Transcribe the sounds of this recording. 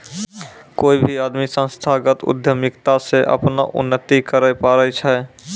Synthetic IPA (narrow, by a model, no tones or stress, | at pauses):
koːibʱiad̪misə̃nst̪ʰaɡət̪ʊ̰d̪ʱjəmikt̪aseʔə̰pna̰ʔʊ̰nːət̪ikəɾəjpaɾəjt͡ʃʰə